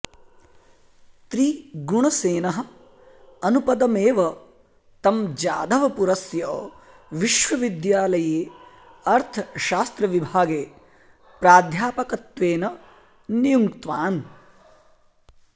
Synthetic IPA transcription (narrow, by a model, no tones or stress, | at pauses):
t̪ɾiːɡuɳɐseːnɐɦɐ̆ | ɐnupɐd̪ɐmeːʋɐ | t̪ɐmd͡ʒa̰ːd̪ʱɐʋɐpuɾɐsjɐ | ʋiʃʋɐʋid̪jaːlɐjeː | ɐɾt̪ʰɐʃaːst̪ɾɐʋibʱaːɡeː | pɾaːd̪ʱjaːpɐkɐt̪ʋeːnɐ | nijuŋkt̪ʋaːn